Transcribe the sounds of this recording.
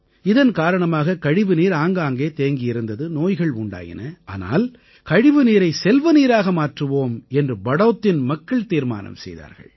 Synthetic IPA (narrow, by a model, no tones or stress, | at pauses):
ɪðɐnkaːɾɐɳɐmaːɣɐkɐɻɪʋɯniːɾaːŋɡaːŋɡeːt̪eːŋɡɪjɪɾɯnd̪ɐðɯnoːjɣɐɭʊɳɖa̰ːjɪ̰nɐa̰ːna̰ːl | kɐɻɪʋɯniːɾɐɪsɛlʋɐniːɾaːɣɐmaːʈrɯʋoːmɛndrɯbɐɽɐʋt̪ːɪnmɐkːɐɭt̪iːɾma̰ːnɐ̰msɛ̰jða̰ːɾɣɐ̰ɭ